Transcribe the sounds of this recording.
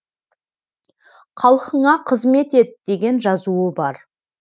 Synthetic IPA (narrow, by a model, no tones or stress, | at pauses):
qʰɑlˠqəɴɑqʰəzme̞t̪e̞t̪d̪̥e̞ɡʲe̞nʒɑzuəbɑɾ